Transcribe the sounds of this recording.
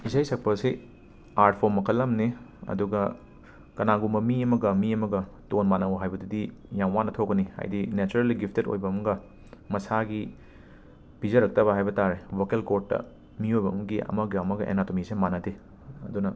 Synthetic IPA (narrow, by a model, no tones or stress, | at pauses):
isajsɐk̚pɐsi | aɾtpʰomɐkʰɐlːɐmniɐ̰duɡɐ | kɐnaɡumɐmiɐmɐɡɐmiɐmɐɡɐtonmanɐwɐɦajbɐdidijaŋwanːɐtʰokːɐniha̰jdinet͡ʃuɾeliɡipʰteto̰jbɐːmɐɡɐ | mɐsaɡi | b̥izɐɾɐk̚tɐβɐɦajbɐtaɾewɐkelkotːɐ̰ | miojbɐːmɐɡiɐ̰mɐɡɐmɐɡɐʔḛnatomisemanɐte | ɐdunɐ